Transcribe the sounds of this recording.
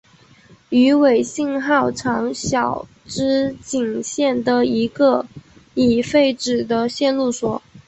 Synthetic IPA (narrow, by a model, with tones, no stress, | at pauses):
y˧˥we˨˩ɪɕi˥˧ŋxɑ˥˩ʊʈ͡ʂʰɑ˧˥ŋɕjɑ˨˩ʊ | ʈ͡ʂɻ̩˥t͡ɕi˨˩ŋɕjɛ˥˩nd̪ə˩i˧˥ɡə˧i˨˩fe˥˩ɪʈ͡ʂɻ̩˨˩d̪ə˦ɕjɛ˥˧nlu˥˩swɔ˨˩˦